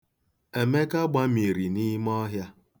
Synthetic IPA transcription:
e˨me˦ka˦ɡ͡ba˦mi˨ɾi˨ni˦mɔ˦ɦja˦

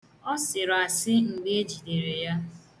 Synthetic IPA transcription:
ɔ˦sɪ˨ɾa˨sɪ˦ŋ͡m̩˨ɡ͡be˦e˦d͡ʒi˨de˨ɾe˨ja˦

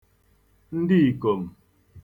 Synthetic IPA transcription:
n̩˦di˦i˨ko˨m̩˨

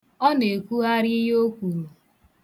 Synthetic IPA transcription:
ɔ˦ne˨kʷu˦ɦa˦ɾɪ˦i˦ɦo˦kʷu˨ɾu˨

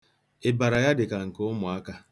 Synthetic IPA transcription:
e˨ba˨ɾa˨ja˦dɪ˨ka˨ŋ̩˨kʊ˦mʊ˨a˦ka˦

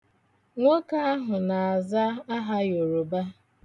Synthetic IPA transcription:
ŋʷo˦ka˦a˦ɦʊ˨na˨a˨za˦a˦ɦa˦jo˨ɾo˨ba˦

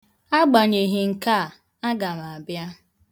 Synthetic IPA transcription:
a˦ɡ͡ba˨ɲe˨ɦɪ˨ŋ̩˨ka˦˨ | a˦ɡa˨m˨a˨bja˦

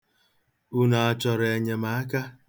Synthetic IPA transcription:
u˦na˨a˨t͡ʃɔ˨ɾe˨ɲe˨ma˨˦a˦ka˦

